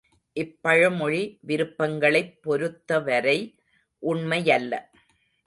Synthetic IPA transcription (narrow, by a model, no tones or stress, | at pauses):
ʔɪpːɐɻɐmɔɻiʋɪɾɯpːɐŋɡɐɭɐɪpːɔɾɯt̪ːɐʋɐɾɐɪ | ʔʊɳmɐjɐlːɐ̰